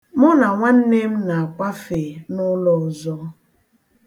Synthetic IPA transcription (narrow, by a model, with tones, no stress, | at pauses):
mʊ˦na˨ŋʷa˦n̩˦ne˦m̩˦na˨a˨kʷa˦fe˨nʊ˦lɔ˨ʊ˨zɔ˦